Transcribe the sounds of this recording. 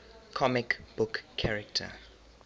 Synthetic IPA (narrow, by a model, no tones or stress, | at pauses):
kʰɔmɪkb̥ʊkʰːaɹɛktʰə̰